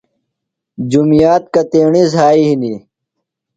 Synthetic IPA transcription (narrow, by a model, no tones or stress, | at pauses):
d͡ʑumijaːt̪̚kɐt̪eːɳizɦaːiɦini